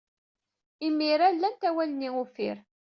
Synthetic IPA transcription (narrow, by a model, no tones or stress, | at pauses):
imːiɾalːænt̪æwæləniʊfḭɾ